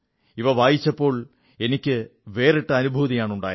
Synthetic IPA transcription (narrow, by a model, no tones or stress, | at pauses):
iʋɐʋaːjit͡ɕːɐpːo̞ːɭ | e̞nikʲːɨʋe̞ːreʈːɨɐnubʱuːðijaːɳuɳɖa̰ːjɐ